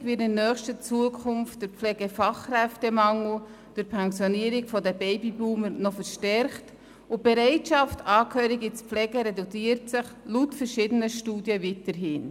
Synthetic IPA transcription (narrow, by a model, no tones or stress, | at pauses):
ʋɪɾtɪnnːœːχʃtət͡suəkʰχʊmftdəɾp͡flɛːɡ̥əfɑχrɛftɛmɑŋl̩ | d̥ɪɾpʰɛnsjɔniəɾikfɔdəbɛɪbibuːməɾnɔfəɾʃtɛɾχt | ʊb̥ɛɾɛɪtʃɑftʰɑːkhøːɾiɡispflɛːɡəɾɛdut͡siːəɾtsɪχlutfəɾʃɪːdənəʃtuːdjəvitəɾɦɪːn